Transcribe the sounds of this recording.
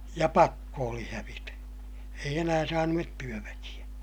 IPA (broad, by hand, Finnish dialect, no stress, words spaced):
jɑ pɑkːo oli hæʋitæ eij enæː sɑːnuet tyøʋækij̆æ